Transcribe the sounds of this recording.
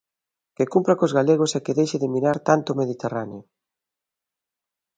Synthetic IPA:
kekumpɾakozɣaleɣ̞osɛkeðejʃɪðemiɾaɾt̪ant̪omeðit̪eraneo

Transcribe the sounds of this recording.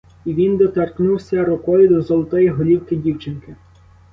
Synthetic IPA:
iʋʲind̪ɔt̪ɛrknuwsʲɐɾʊkɔjʊd̪ɔzɔlˠɔt̪ɔjiɦɔlʲiwkɪdʲiwt͡ʃɪnkɪ

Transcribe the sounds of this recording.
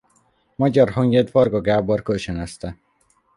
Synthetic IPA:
mɒɟɒrɦoɲɡed̪vɒrɡɒɡaːborkølt͡ʃønɛst̪ɛ

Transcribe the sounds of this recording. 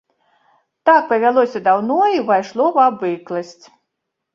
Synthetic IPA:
t̪ak̚pɐvʲalˠɔsʲɐd̪awnɔivajʂlˠɔvɐbɨklˠɐsʲt͡sʲ

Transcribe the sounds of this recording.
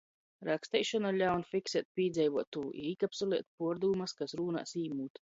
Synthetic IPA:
ɾakst̪ɛjʃɔnalʲawnfʲiksɛt̪̚pʲiːd̪zɛjvuɔt̪ːuːʔḭɾikapsulˠiɛt̪̚ʲpuɔɾd̪uːmaskasɾuːna̰ːsiːmuːt̪

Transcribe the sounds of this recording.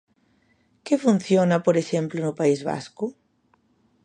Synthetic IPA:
kefun̟θjonapoɾeʃemplonʊpaizβa̰sku

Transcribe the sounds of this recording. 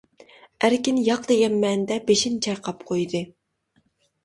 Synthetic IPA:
æɾkʲinjɑqd̪ejʲɛmːɛnd̪ɛbeʃint͡ʃʰɑɾqʰɑpqʰojd̪ɨ

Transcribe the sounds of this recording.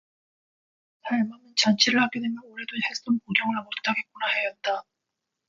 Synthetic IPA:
taɭmamɯnt͡ɕant͡ɕʰiɾɯɭhaɡedwe̞mjʌnoɾe̞dohes͈onpoɡjʌŋɯɭmot͈aɡek͈onahe̞jʌt̚t͈a

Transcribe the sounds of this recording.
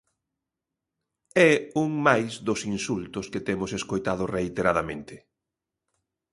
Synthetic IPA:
ɛuŋmajzðʊsinsult̪ʊskɪt̪emʊseskojt̪að̞ʊreit̪eɾaðamẽnt̪ɪ

